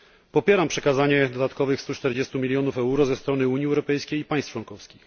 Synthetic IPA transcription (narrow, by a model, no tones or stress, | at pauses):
pɔpʲjɛɾampʂɛkazaɲɛd̪ɔd̪at̪kɔvɘxst̪ut͡ʂt̪ɛɾd͡ʑɛst̪umʲilʲjɔnufɛuɾɔzɛst̪ɾɔn̪ɘuɲjiɛwɾɔpɛjskʲejipaj̃st̪t͡ʂwɔŋkɔfskʲix